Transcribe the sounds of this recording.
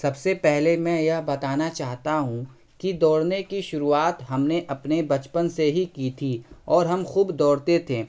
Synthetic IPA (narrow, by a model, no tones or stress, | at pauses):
sɐbsepɛɦlemɛ̃jɐɦbɐt̪aːnat͡ʃaːɦt̪aɦũ | kid̪ɔːɽnekiʃʊɾuaːt̪ɦɐmneʔɐpnebɐt͡ʃpənseɦikit̪ʰiɔːɾɦɐmxuːbd̪ɔːɽt̪et̪ʰeː